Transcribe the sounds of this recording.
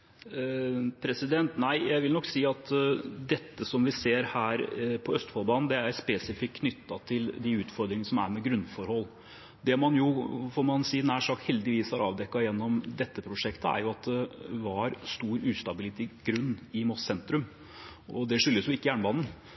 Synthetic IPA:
pʰɾɛsɪd̪ɛnt̪næɪjæɪʋɪlnɔkːsiːɑt̪d̪ɛt̪ːəsɔmʋɪseːɾhæːɾpʰɔœst̪fɔlˠbɑːnn̩d̪ɛæɾspɛːsɪfɪkʰːnʏt̪ːɑt̪ʰɪld̪ɪʉːt̪fɔɾd̪ɾɪŋənəsɔmæ̰ɾmɛɡɾʉnfɔɾhɔlː | d̪ɛmɑnjʊfɔɾmɑnsiːnæːʂɑːkhɛld̪ɪʋiːsæɾʔɑ̰ːʋd̪ɛkːɑjɛnːɔmd̪ɛt̪ːəpʰɾʊʂɛkt̪əæ̰ɾjʊɑt̪̚d̪ɛʋɑɾst̪uːɾʉːst̪ɑbɪlɪt̪ɪɡɾʉnːɪmɔssɛnt̪ɾʉm | ɔd̪ɛʂʏljəsjʊɪkːəjæːɳəbɑːnn̩

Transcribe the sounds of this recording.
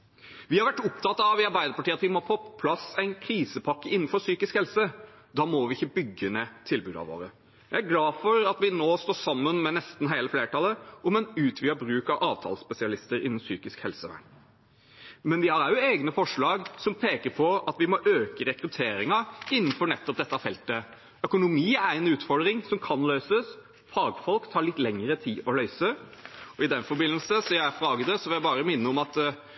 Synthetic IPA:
ʋɪhɑɾʋæʈːʊpt̪ʰɑt̪ːɑɑʋɪɑɾbæɪd̪əɾpɑʈiːɑt̪ʋɪmopʰɔpʰlɑsæɪnkʰɾiːsəpʰɑkːəɪnːn̩fɔɾsyːkɪskhɛlsə | d̪ɑːmɔʋɪɪçːəbʏɡːənɛt̪ʰɪlbʉːd̪ɑ̰ʋo̰ːɾə | jæɪæɾɡlɑːfɔɾɑt̪ʋɪnoːst̪oːʂɑmːənmɛnɛst̪n̩ɦæɪləfleːʈɑlːəɔmɛnʉːt̪ʰʋɪɑbɾʉːkɑʋʔɑːʋt̪ʰɑ̰ːlspɛsɪɑlɪst̪əɾɪnənsyːkɪskhɛlsəʋæ̰ɳ | mɛnʋɪhɑɾɑʉeːɡnəfɔʂɭɑːɡsɔmpʰeːkəɾpʰɔɑt̪ʋɪmɔʔøːkəɾɛkɾʉt̪ʰeːɾɪŋɑɪnːənfɔɳɛt̪ːɔp̚d̪ɛt̪ːɑfɛlt̪ə | œkʊnʊmiːæɾɛnʉːt̪fɔd̪ɾɪŋsɔmkʰɑnlœʏsəs | fɑːɡfɔlkt̪ʰɑːɭɪt̪ːlɛŋəɾət̪ʰiːʔɔlœʏsəɔɪd̪ɛnfɔɾbɪnːəlsəsɔjæɪfɾɑːɡəd̪əsɔʋɪljæɪbɑːɾəmɪnːəɔmɑt̪

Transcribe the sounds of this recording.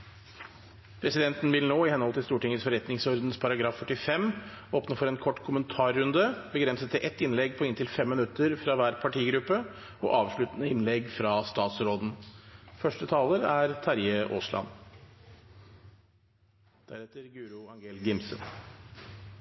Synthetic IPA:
pʰɾɛsɪd̪ɛnt̪n̩ʋɪlnoːɪhɛnhɔlt̪ʰɪlst̪uːʈɪŋəsfɔɾɛt̪nɪŋsɔɾd̪n̩spʰɑɾɑɡɾɑːfːœʈːɪfɛmoːpnəfɔɾɛnkʰɔʈːkʰʊmənt̪ʰɑːɾːʉnd̪əbəɡɾɛnsət̪ʰːɪʔɛt̪ːɪnlɛɡpʰɔɪnt̪ʰɪlfɛmːɪnʉt̪ːəɾfɾɑːʋæːɾpʰɑʈiːɡɾʉpːə | ɔ̰ʔɑːʋʂɭʉt̪nəɪnlɛɡfɾɑst̪ɑːt̪sɾoːd̪n̩fœʂʈət̪ʰɑːləɾæɾt̪ʰɑɾjəʔo̰ːslɑ̰n | d̪̥æɾɛt̪əɾɡʉːɾʊɑŋɡeːlɡɪmsə̰n

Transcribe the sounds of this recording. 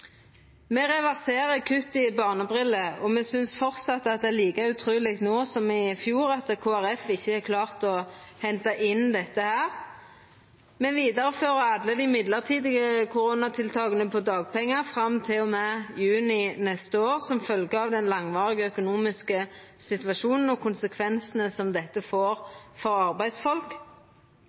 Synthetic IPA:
mɛʁɛʋæʁseːʁəkʰʉt̪ːɪbɑːʁnəbʁɪlːəɔmɛsʏnsfɔʁt̪sɑt̪ːəɑt̪̚d̪ɛæliːkɑʉt̪ʰʁʉːlɪɡt̪noːsɔmɪfjuːɾɑt̪kʰoːæʁɛfɪçːəɛkʰlɑːʁt̪ɔhɛnt̪ɑʔɪnd̪ɛt̪ːəhæːʁ | mɛʋiːd̪ɑʁəføːʁəɑd̪ləd̪ɪmɪd̪ləʁt̪ʰiːd̪ɪɡəkʰʊɾuːnɑt̪ʰɪlt̪ʰɑːɡənəpʰɔd̪ɑːɡ̚pʰɛŋːɑfʁɑmt̪ʰɪlɔmɛjʉːnɪnɛst̪əoːʁsɔmfœlɡəɑʋd̪ɛnlɑŋʋɑːʁɪɡəœkʊnuːmɪskə | sɪt̪ʉʋɑʃuːnən̩ɔkʰʊnsəkʰʋɛnsənəsɔmd̪ɛt̪ːəfoːʁfɔɾɑʁbæɪd̪sfɔlk

